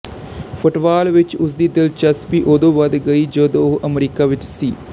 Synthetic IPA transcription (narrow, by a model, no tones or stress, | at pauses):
fʰʊʈʋaːlʋɪt͡ʃʊs̬d̪id̪ɐlt͡ʃɐspiʔod̪oʋɐd̪ɡɐid͡ʒod̪oːɦʔɐmeɾikaʋɪt͡ʃsiː